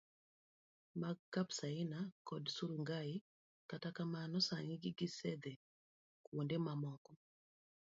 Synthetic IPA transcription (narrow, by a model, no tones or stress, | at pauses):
maɡkːapsaɪnakɔdsuɾuŋɡai | katakamanɔsaŋiɡɪɡisɛd̪e | kwondemamɔkɔ